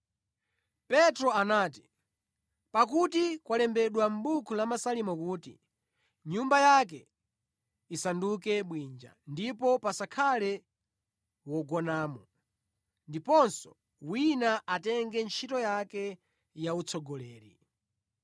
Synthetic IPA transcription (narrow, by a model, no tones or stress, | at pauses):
pɛtɾɔanaːti | pakutikwalɛmbɛɗwam̩ɓukʰulamasalimɔkuːtḭ | ɲumbajak̬ɛ | isandukɛɓwind͡ʒa̰ndipɔpasakʰalɛ | wɔɡɔnaːmɔ | ndipɔnsɔ | winaʔatɛŋɡɛnt͡ʃʰitɔjakɛ | jaut͡sʰɔɡɔlɛːɾḭ